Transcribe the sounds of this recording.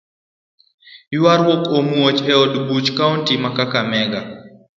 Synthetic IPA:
jʊaɾwokomuot͡ʃɛɔdbut͡ʃkaontimakakamɛɡa

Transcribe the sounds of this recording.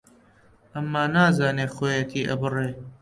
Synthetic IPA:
ʔɐmːaːnaːzaːneːxoːjɐt̪ʰiːʔɐ̰bɨreː

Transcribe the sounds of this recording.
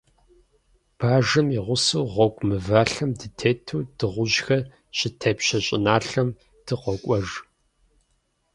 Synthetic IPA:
b̥aːʒɨmiʁʷʊsuːʁʷɔkʷʼmɨvaːɬɐmdɨtʰeːtʰuːd̥ɨʁʷʊʑxɐ | ɕʼɪtʰɐːpɕɐɕʼɪ̰naːɬɐm | d̥ɨqɔkʷʼɔʒ

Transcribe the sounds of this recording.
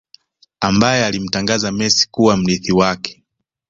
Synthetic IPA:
ambajɛalim̩taŋɡazamɛsi̥kuwam̩liθiwakɛ̥

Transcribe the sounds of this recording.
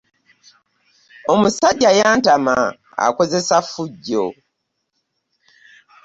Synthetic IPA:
o̞musaɟːajaːntama | a̰ko̞ze̞safːuɟːo̰

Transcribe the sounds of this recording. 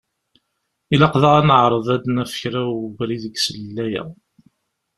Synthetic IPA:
ilɑqðəʁænəʕɾˤəðˤæd̪næfə̥çɾæwbɾiðəɡsələlːæjæ̰

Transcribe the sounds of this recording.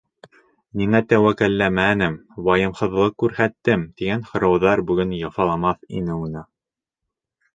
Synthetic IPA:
miŋæt̪æwækælːæmænɘmwɑjɤ̆mhɤ̆ðlˠɤkːʉɾhæt̪ːɘmt̪iɡænhŏɾɑwðɑɾbʉɡɵnjɑfɑlˠɑmɑθḭnɘunɤ

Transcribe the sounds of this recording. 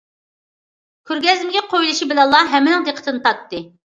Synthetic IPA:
kʲʰøɾɡʲɛzɪmɡʲɛqʰojlˠɨʃibɪlɛnlˠːɑɦɛmːɪnɪŋd̪eqʰə̥t̪ʰɨnɨt̪ʰɑt̪ːɨ

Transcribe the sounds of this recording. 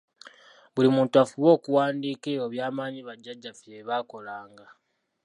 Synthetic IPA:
βulimuːntuafuβo̞ːkuwaːndiːkeoβjaːmaːɲiβaɟːaɟːafjeβako̞laːŋɡa

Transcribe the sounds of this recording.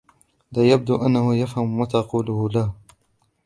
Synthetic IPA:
lajab̚d̪uʔanːahʊjafhamwat̪ɑquːlʊhʊlah

